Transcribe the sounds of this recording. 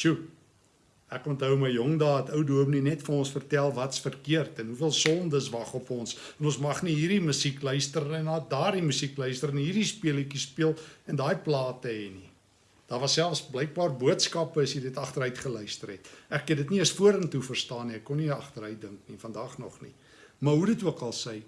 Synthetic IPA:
ʃu | ækɔntɦəwməjjɔŋdɑːətəwduəmninɛtfɐnɔnsfərtælˠvɐtsfərkiərtɛnɦufiəlˠsɔndəsvɐχɔpɔnsɛnɔ̃nsmɐχniɦiːɾdimysiklœɥstərənɑːdɑːrdimysiklœɥstəɾənɦiːrdispiəlikispiəlˠɛndɑːjplɑːtəɦɛni | d̥ɑːrvɐsːælˠfsblɛjk̚bɑːrbuətskɑpəsjədətɐχtəɾəɥtχəlœɥstərɾɛtʔækːəndətniəsfuəɾəntufərstɑːniɛkːɔniɐχtəɾəjt̚dəŋknifɐndɑːχnɔ̰χnḭ | mɐɦudətuəkɐlˠsɛj

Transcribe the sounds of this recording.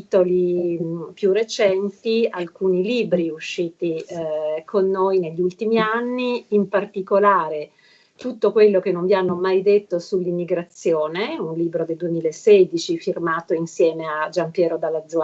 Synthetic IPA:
t̪oli | pjurːet͡ʃɛnt̪ialkuːniliːbɾiuʃːiːt̪i | kʰonːoːjneʎːiult̪imianːiːmpart̪ikolaːɾe | t̪ut̪ːokwelːok̟enːõɱvjianːomajd̪et̪ːosulːimːiɡɾat̪sːjoːneunliːbɾod̪eld̪uemiːlaesɛd̪it͡ʃifirmaːt̪oinsjɛːmead͡ʒampjɛːɾod̪alːad̪zːu

